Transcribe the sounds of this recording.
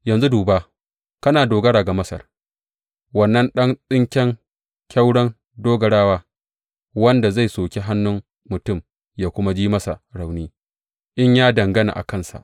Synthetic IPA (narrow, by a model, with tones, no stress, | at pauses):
jɐ˨nzu˦duː˨baː˦ | kɐ˦naː˨doː˨ɡɐ˦ɽaː˨ɡa˨mɐ˦sɐ̰˨r | wɐ˦˨nːɐ˦nɗɐ˦ŋsʼɪ˦ŋkʲɛ˦ŋ | kʲa˦wɽɐ˦n | doː˦ɡɐ˨ɽaː˦waː˦ | wɐ˦nda˨za˦˨jsoː˨kʲe˦ɦa˦nːʊ˦m | mʊ˨tʊ˦˨m | jaː˦kʷʊ˦ma˦d͡ʒiː˦mɐ˦sa̰˨ɽa˨wniː˦ | ʔɪ˦ɲjaː˦dɐ˨ŋɡɐ˦na̰˨ʔa̰˨kɐ˦˨nsa̰˨ʔ